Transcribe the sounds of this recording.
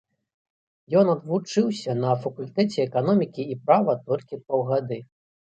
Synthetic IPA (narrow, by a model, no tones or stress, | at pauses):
jɔnɐd̪vut͡ʂɨwsʲɐnɐfɐkulʲt̪ɛt͡sʲɛɛkan̪ɔmʲikʲiːpɾavɐt̪ɔlʲkʲipɔwɣad̪ɨ